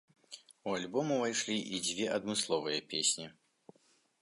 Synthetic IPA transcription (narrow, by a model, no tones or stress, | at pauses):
ualʲbɔmuvajʂlʲiʔid͡zʲvʲɛʔɐd̪mɨslˠɔvɨjɐpʲesʲnʲi